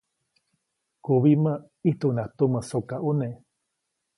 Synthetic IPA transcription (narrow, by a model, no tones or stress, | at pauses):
kuβimə | iht̪unat̪uməsokaʔone